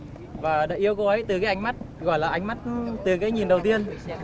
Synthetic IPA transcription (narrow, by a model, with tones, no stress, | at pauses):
vaː˨˩ɗa̰ː˧˨ʔi˧əwkɔ˨˦ə˨˦jt̪ɨ˨˩kaː˨˦jʔa˧jŋma˦˥t̚ɣɔ̰˧˨jlaː˨˩ʔa˧jŋ̟ma˦˥t̚t̪ɨ˨˩kaː˨˦jɲi˨˩nɗə˨˩wt̪i˧ən